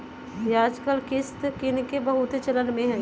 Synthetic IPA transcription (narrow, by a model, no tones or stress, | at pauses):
jeaːd͡ʒkəlkɪst̪kɪnkebɐɦʊt̪et͡ʃɐlənmẽɦɛ̃ː